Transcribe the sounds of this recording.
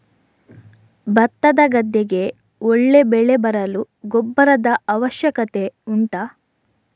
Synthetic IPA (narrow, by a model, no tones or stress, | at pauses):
bɐt̪ːɐd̪ɐɡɐd̪ːeɡe̞ | ɔɭːe̞bɛɭe̞bɐɾɐlu | ɡɔbːɐɾɐd̪ɐɐʋɐʃjɐkɐt̪e̞uɳʈɐ